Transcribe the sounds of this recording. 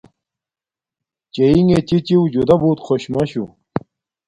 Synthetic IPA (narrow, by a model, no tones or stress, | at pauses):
t͡ɕejiŋet͡ɕit͡ɕiwd͡ʑud̪ɐbuːt̪qʰoɕmɐɕu